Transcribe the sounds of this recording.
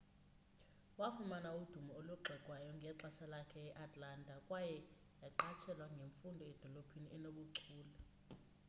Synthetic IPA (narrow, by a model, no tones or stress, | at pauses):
wafumanaud̥ʱumɔoluɡ͡ǃʱɛkʼwajɔŋɡʱɛǁaʃalakʰɛɛʔatʰʼlaːntʼakʼwajɛ | jaǃat͡ʃʰɛlwaŋɡʱeɱfundʱɔɛd̥ʱɔlopʰiniʔɛnoɓuǀʰuːla